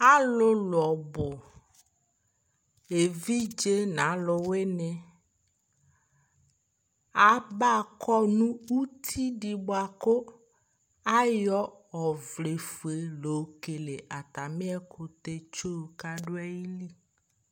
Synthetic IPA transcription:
a˦lʊ˦lʊ˨ɔ˨bʊ˨ | e˨vi˦d͡ʒe˦nã˨˦lʊ˨we˦nɛ˨ | a˨ba˦˨kʰɔ˦nũ˦u˦t̪ʰi˦ɖi˨bo˦a˨ko˦ | a˦jɔ˦ | ɔ˨vle˨fu˨e˨lo˨˦ke˨le˨ʔa˨t̪a˨mĩ˦ɛ˦kʰʊ˦t̪e˦t͡ʃo˦˨ka˦ɖo˦a˦ji˦li˦

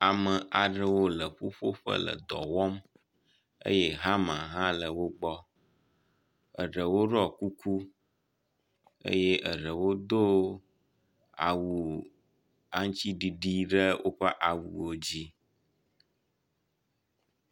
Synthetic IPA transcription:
a˨mə̃˨ʔa˨ɖə˦wo˦lə˨ɸo˦ɸo˦ɸə̰˦lə̰˨d̪ɔ̰˨wɔ˦m | ḛ˦jɛ˦ɦa˦mã˨ɦã˦lə˨wo˦ɡ͡bɔ˦ | ə̰˨ɖə˨wo˦ɖɔ˦ku˦ku˦ | ḛ˦je˦ʔə˨ɖə˨wo˦d̪o˦ | a̰˨wu˨ | a˦ŋ˦t͡ɕi˦ɖi˨ɖi˦ɖə˦wʔo˦ɸə˦ʔa˨wu˨wo˦d͡ʑi˦

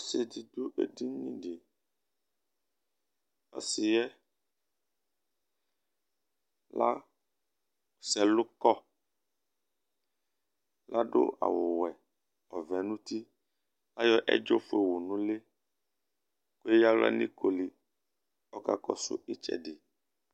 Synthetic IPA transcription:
ɔ˦se˨di˨d̪o˦ʔḛ˦di˦ɲĩ˦ɖɪ˨ | ɔ̰˨sɪ˨jɛ˦ | la̰˦ | sɛ˨lʊ˦kɔ˦ | la˦ɖo̰˦a̰˨wʊ˨wɛ˨ | ɔ˨vɛ˨nũ˦t̪i˦ | la˦jɔ˦ʔɛ̰˦d͡ʒo˦fo˦e˨wo˨nũ˦le˦ | ko˦e˦ja˦lɛ̰˦nḭ̃˦ko˨li˨ | ɔ˦ka̰˦kɔ˦sʊ̰˦e˦t͡ʃɛ̰˨ɖɪ˨

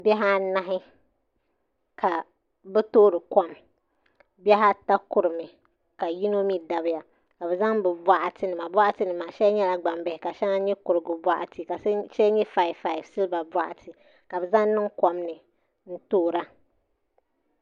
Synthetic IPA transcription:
bɛ˦ɦa˦na˦ɦɪ˦ | kʰa˨ | bɛ˦toː˦ɾɨ˨kɔ˦m | bɛ˦ɦa˦ta˦kʊ˨ɾɨ˨mɨ˨ | ka˨ji˦no˦mi˦da˨bɪ˦ja˨ | ka˨bɛ˨za˦ŋbɛ˨bʷa˦ʔa˨tɨ˨nɨ˨ma˨ba˦ʔa˦tɨ˦nɨ˨maː˨ʃɛ˦ɲɛ˦la˦ɡ͡ba˨mbɛ˨hɪ˨ka˨ʃɛ˦ŋa˦ɲɛ˦kʊ˨ɾɨ˨ɡɨ˨ba˦ʔa̰˨tɨ˨ka˨˦ʃɛ˦ɲɛ˦fa˨ɪ˨fa˦˨ɪ˨vsɨ˦lɨ˦ba˨ba˦ʔa̰˨tʰɨ˨ | ka˨bɛ˨za˦ŋnɨ˦ŋkɔ˦mnɨ˨ | n̩˦toː˦˨ɾa˦

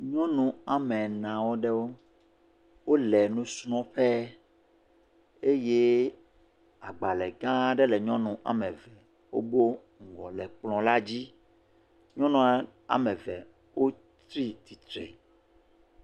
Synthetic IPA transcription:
ɲɔ̃˦nũ˨a˨mɛ̃˨nã˨wo˦ɖɛ˦wo˦ | wo˦lɛ˨nũ˦snɔ̃˦ɸɛ˦ | e˦je˦ | a˨ɡ͡ba˨lɛ˨ɡã˦ɖɛ˦lɛ˨ɲɔ̃˦nũ˨ʔa̰˨mɛ̃˨vɛ˨ | wo̰˦bo˦ | ŋ̩˨ɡɔ̰˨lɛ˨k͡plɔ̃˨la˦d͡ʑi˦ | ɲɔ̃˦nũ˦a˦ | a̰˨mɛ̃˨vɛ̰˨ | wo˦ | t̪ɾi˦t̪i˨t̪ɾḛ˨

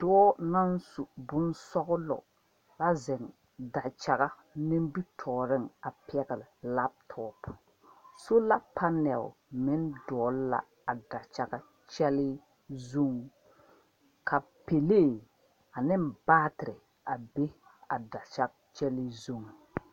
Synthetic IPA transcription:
d̥ɔː˦na˦n˦su˨bʊ˦n˦sɔ˦ɣʊ˦lɔ̰˨ | la˦zɛ˨ŋ | da˨t͡ʃa˨ɣa˦ | nɪ˦m˦bi˦tʰɔː˨ɾɪ˦ŋa˨pɪ˦ɛ˦ɣa˨lɪ˨la˦p̚tʰɔː˦p | so˦la˦pa˦nɛ̰˨lmɪ˦ndɔː˨˦lla̰˨ | a˨da˨t͡ʃa˨ɡa˦ | t͡ʃɛ˦lɪ˦ | zo˦ŋ˦ | kʰa˨ | pe˨leː˦˨ | a˨nɪ˦mbaː˦tɪ˨ɾɪ˨ | a˨be˦ | a˨da˨t͡ʃa˦kt͡ʃɛ˦lɪ˦zo˦ŋ˨

